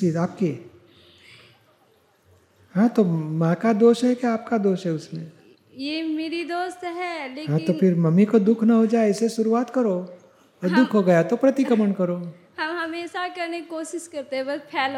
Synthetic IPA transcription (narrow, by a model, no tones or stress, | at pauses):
iːaːpke | ɦãt̪omãːkad̪oːʃɦɛkjaːp̚kad̪oːʃɦɛʊsmẽ | jemeːɾid̪oːst̪ɦɛːleɦãt̪opʰɪɾmɐmikod̪ʊkʰnɐɦod͡ʒaːeɪseʃʊɾuaːt̪kɐɾo | ɔːɾd̪ʊkʰɦoɡɐjat̪opɾɐt̪ɪkəməɳ̃kɐɾoː | hɐmɦɐmesakɐɾnekikoːʃɪʃkɐɾt̪eɦɛ̃bɐspʰɛːl